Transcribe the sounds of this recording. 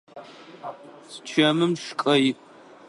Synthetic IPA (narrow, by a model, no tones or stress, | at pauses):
st͡ʃʰɐmɨmʂkʼɐj